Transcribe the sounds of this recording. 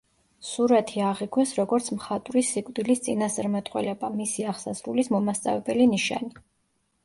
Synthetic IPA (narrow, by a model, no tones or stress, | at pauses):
suɾat̪ʰiaʁiɡwɛsɾɔɡɔɾt̪sʰmχat̪ʼɾisːikʼvd̪ilist̪sʼinasɾmat̪ʼqʼwɛ̰lɛbamisiaʁsazɾulismɔmast̪sʼa̰vɛbɛliniʃa̰ni